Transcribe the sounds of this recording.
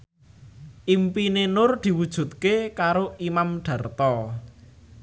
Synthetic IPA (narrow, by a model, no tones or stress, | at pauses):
ʔimpinenʊrd̪̥i̤wud̥ʒ̥ṳt̪̚kekaɾoimamɖ̪̥ä̤rt̪ɔ